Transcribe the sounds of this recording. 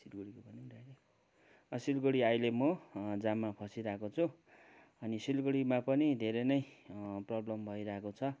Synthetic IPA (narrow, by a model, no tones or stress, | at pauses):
silɡoɽikobʱʌniɾajle | ʌsilɡoɽiajlemʌd͡zamːapʰʌsiɾʌekot͡sʰu | ʌnisilɡoɽimapʌnid̪ʱeɾʌjnʌjprʌblʌmbʱʌiɾʌɦekot͡sʰʌ